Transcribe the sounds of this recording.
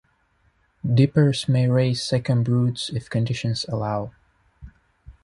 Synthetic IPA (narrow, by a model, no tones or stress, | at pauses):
dɪpə˞smeɪɹeɪz̥sɛkə̃nɹutsɪfkɨ̃ndɪʃɨ̃nzəlaʊ